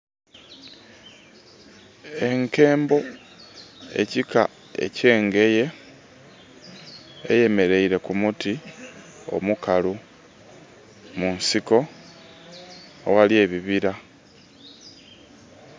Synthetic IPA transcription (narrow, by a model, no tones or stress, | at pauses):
e̞ŋke̞ːmbo̞ | e̞̰cika | e̞̰ce̞ːŋɡe̞je̞ | je̞me̞ɾe̞iɾe̞kumuti | o̞̰mukalu | munsiko̞ | walje̞ːβiβiɾa